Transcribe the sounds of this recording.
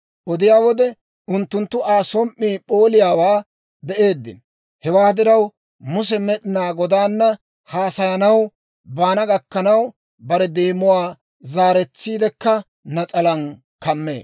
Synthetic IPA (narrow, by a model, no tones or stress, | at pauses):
ʔɔd̪ɪjaːwɔd̪ɛ | ʔʊnt̪ːʊnt̪ːʊʔaːsɔmʔːiːpo̞ːlɪjaːwaː | bɛʔe̞ːd̪ːɪ̰n | hɛwaːd̪ɪɾɐw | mʊs̬ɛmɛɗɪnaːɡɔd̪aːnːɐ | haːsɐjɐnɐw | baːnɐɡɐkːɐnɐw | bɐɾɛd̪eːmːʊwaː | zaːɾɛt͡sːiːd̪ɛkːɐ | nɐt͡sʼɐlɐn | kɐmːḛː